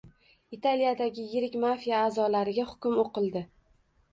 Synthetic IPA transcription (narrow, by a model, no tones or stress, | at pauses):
it̪ʰaljad̪aɡʲɪjɪɾɪkʲmafijaːzɒlaɾɪɡʲahʊ̥kʲʊmoqɨlˠd̪ɪ